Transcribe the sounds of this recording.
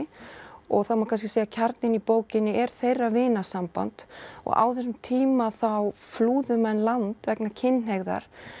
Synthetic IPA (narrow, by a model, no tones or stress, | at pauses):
ɔ̰ɣθawmakʰanscɪseːjacʰaɾt̪nɪnipoːwcɪnːɪʔɛɾ̥θejrːavɪːnasampa̰nt̪ɔ̰ɣa̰wθɛs̬ːʏmt̪ʰiːmaθawfluːðʏmɛnlant̪vɛknacʰɪnːɦeɣða̰ɾ̥